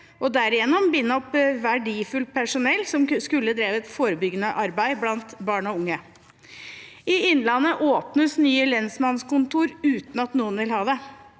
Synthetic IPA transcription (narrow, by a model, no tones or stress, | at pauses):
ʔɔd̪æɾɪjɛnːɔmbɪnːəɔpʋæɖiːfʉlt̪̚pʰæʂʊnɛlːsɔmskʉlːəd̪ɾeːʋəɛt̪foːɾəbʏɡənəʔɑɾbæɪblɑnt̪bɑːɳɔʊŋːə | ɪɪnlɑnːəʔoːpnəsnyːəlɛnsmɑnskʊnt̪uːɾʉːt̪n̩ɑt̪nuːənʋɪlhɑːʋə